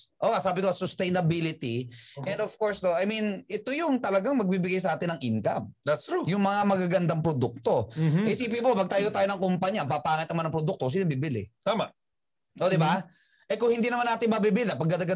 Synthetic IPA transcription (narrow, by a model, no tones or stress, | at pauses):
ʔoːŋasaːbɪkosʊst̪ɛjnɐbilɪt̪iʔɛnd̪ofkoɹst̪oʔɐjminʔɛt̪ojʊŋt̪ɐlɐɡaŋmɐɡ̚biːbɪɡajsɐʔaːt̪ɪnɐŋʔɪŋka̰md̪ɐt̪sɹujʊŋmɐŋamɐɡaɡɐnd̪aŋpɾod̪uk̚t̪o̞ɐjsiːpipopɐɡ̚t̪aːjot̪aːjonɐŋkʊmpɐɲɐpapaːŋɪt̪̚nɐmanɐŋpɾod̪uk̚t̪osinɐbibɪlɪt̪aːma | ʔod̪ɪba | ʔɛkʊŋhɪnd̪iːnɐmanaːt̪ɪnmɐbibɪlapɐɡ̚d̪ɐd̪ɐɡa